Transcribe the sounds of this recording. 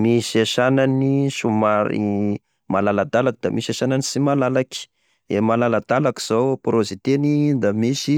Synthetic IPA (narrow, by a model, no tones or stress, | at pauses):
misiaʃananiʃumaɾḭ | malalad̪alakid̪a̰misaʃananisimalalaki̥ | emalalad̪alaki̥z̥owpɾozit̪enid̪amisi